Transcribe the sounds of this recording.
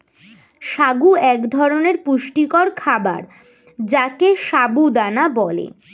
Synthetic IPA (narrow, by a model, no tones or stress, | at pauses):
ʃaɡuɛkd̪ʱɔɾoneɾpuʃʈikɔɾkʰaba̰ɾ | d͡ʑakeʃabud̪anabɔlḛ